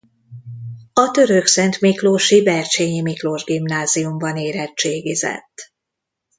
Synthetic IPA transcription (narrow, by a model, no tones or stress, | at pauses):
ɒt̪ø̞ɾøksɛnt̪mikloːʃivɛrʃeːɲimikloːʒɡimnaːziumbɒneːɾɛt͡ʃt͡ʃeːɡizɛ̰t̪ː